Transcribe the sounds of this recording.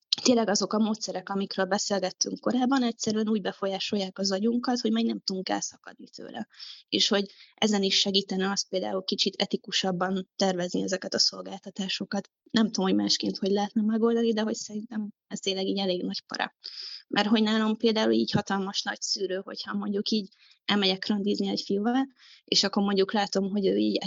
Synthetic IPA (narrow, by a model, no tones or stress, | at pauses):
t̪eːnlːɛɡɒzo̞kɒmoːt̪sɛɾɛkɒmikɾøːlbɛseːlɡɛt̪ːyŋkko̞ɾaːbːɒnɛcsɛɾyɛnuːɟbɛfo̞jaːʃo̞jːaːkɒzɒɟuŋkɒt̪ho̞ɟmɛɡnɛmt̪uuŋkɛ̰lsɒkɒ̰d̪̚nit̪ʰø̰ːlɛ̰ḛːʃho̞ɟʔɛzɛniʃːɛɡiːt̪ɛnɛɒst̪̚peːld̪a̰ːulkit͡ʃit̪ʰɛt̪ikuʃɒbːɒnt̪ɛrvɛzniɛzɛkɛt̪ɒso̞lɡaːlt̪ɒt̪aːʃo̞kɒt̪ | nɛmt̪omhoɟma̰ːʃkḛːnt̪ho̞ɟʲlɛɦɛt̪nɛmɛɡo̞ld̪ɒnid̪ɛɦo̞csɛɾint̪ɛm | ɛst̪eːlːɛɡiːɟɛleːɡnɒɟpɒ̰ɾɒ̰mʔɛrɦo̞ɟnaːlo̞mpeːld̪aːuliːchɒt̪ɒlmɒʃnɒ̰csyːɾøːho̞̰chɒmo̞ɲɟukiːɟ | ɛlmɛɟɛkrønd̪izniɛcfilvɒl | ḛːʃɒkːo̞rmo̞ɲɟuklaːt̪o̞mɦo̞ɟøːiːɟ